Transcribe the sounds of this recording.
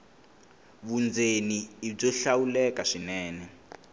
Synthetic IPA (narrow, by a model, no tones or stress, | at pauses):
βund͡zeniːb͡ʐɔɬawulɛkaʂinɛːnɛ